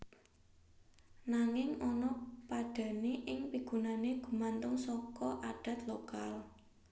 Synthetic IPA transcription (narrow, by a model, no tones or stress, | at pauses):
naŋɪŋɔnɔpaɖ̥a̤neʔɪŋpiɡ̥ṳnaneɡ̥ṳmant̪ʊŋsɔkɔʔaɖ̥ä̤t̪lokal